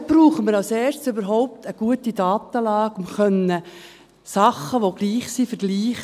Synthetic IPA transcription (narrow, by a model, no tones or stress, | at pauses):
b̥ɾuːχəməɾɑlsɛːɾtsybəɾɦɔʊp̚t̪əɡ̥uətidɑːt̪əlɑːkʊmχœnə | sɑχəʋoɡ̥liːχsiːfəɾɡ̥liːχ